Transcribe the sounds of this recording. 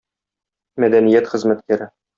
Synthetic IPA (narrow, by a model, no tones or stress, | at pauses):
mæd̪ænijæt̪χɘ̆zmæt̪̚kæɾɘ